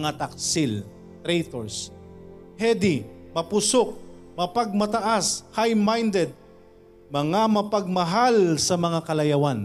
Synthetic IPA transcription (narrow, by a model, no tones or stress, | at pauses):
ŋat̪ak̚sɪl | t̪ɾɛjt̪oɹs | hɛd̪ɪmɐpʊsok̚mɐpɐɡ̚mɐt̪ɐʔashajmajnd̪ɛd̪̚ | mɐŋamɐpɐɡ̚mɐɦalsɐmɐŋakɐlɐjɐwan